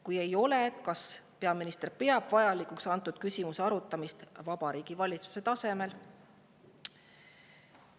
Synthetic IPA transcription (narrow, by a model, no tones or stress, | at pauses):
kuje̞jo̞le̞t̪kɑspe̞ɑminist̪rpe̞ɑb̥vɑjɑlikuksɑnt̪ːˑud̪̥kysʲimuseɑɾut̪ːˑɑmist̪vɑbɑɾiːɡ̥ivɑlʲit̪su̥se̞t̪ɑse̞me̞l